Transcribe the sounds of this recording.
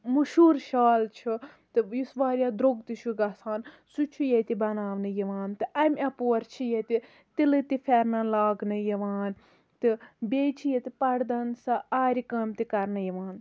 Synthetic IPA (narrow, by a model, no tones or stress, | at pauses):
muʃuːɾʃaːlt͡ʃʰu | t̪ɨjisʋaːɾʲjaːd̪ɾoɡt̪iʃʰuɡɐsaːn | sut͡ʃʰujet̪ibɐnaːʋnɨjiʋaːnt̪ɨʔɐmʲɐpoːɾt͡ʃʰijet̪i | t̪ilɨt̪ifʲɛɾnɐnlaːɡnɨjiʋaːn | t̪ɨbʲeːt͡ʃʰijet̪ipɐɽd̪ɐnsɐaːɾikɐmʲt̪ikɐɾnɨjiʋaːn